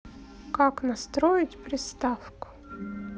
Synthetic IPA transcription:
kaknɐst̪ɾojɪtʲpɾʲɪst̪afkʊ̥

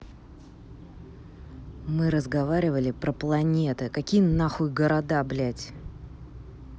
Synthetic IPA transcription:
mɨɾəzɡɐvaɾʲɪvəlʲɪpɾəplˠɐnʲe̞t̪ɨkɐkʲijnaxʊjɡəɾɐd̪ablʲætʲ

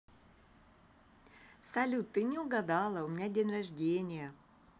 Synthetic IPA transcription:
sɐlʲut̪ːɨnʲɪʊɡɐd̪alˠəʊmʲɪnʲadʲenʲrɐʐdʲenʲɪjə

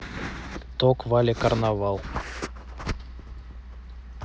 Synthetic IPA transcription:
t̪okvalʲekarnavalˠ

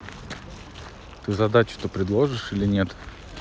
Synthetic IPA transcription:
t̪ɨzɐd̪at͡ɕʊ̥t̪opɾʲɪd̪lˠo̞ʐɨʂilʲɪnʲe̞t̪

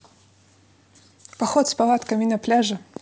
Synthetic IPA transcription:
paxɔt̪spalˠat̪kɐmʲinɐplʲaʐɨ

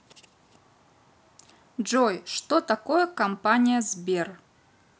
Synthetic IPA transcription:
d͡ʒojʂt̪ot̪ɐkojəkɐmpanʲɪjəzbʲer

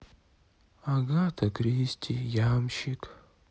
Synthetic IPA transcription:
aɡat̪ʰɐkɾʲisʲtʲʰijamʃik

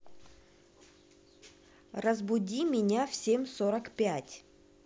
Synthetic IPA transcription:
rəzbʊdʲimʲɪnʲafsʲemʲsoɾəkpʲætʲ

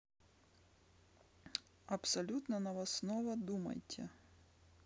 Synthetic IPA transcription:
ɐpsɐlʲut̪nɐnɐʋɐsnɔʋɐd̪umɐ̰jtʲʰɛ̰

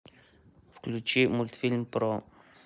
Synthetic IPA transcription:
fklʲut͡ʃimulʲt̪fʲilʲmpɾo

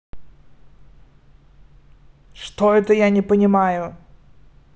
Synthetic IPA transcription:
ʂt̪oɛt̪əjanʲɪpənʲɪmajʊ

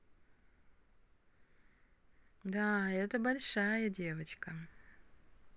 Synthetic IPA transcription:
d̪aːɛt̪ɐbɐlʲʂaːjɐdʲeːʋɐt͡ʃkɐ

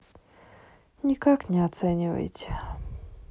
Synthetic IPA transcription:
nʲɪkaknʲɪat̪sɛnʲɪvə̰jtʲɪ̥

